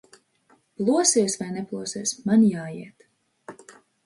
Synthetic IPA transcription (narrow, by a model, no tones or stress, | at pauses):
plˠuɔsiɛsvajnɛplˠuɔsiɛsmanjaːjiɛt̪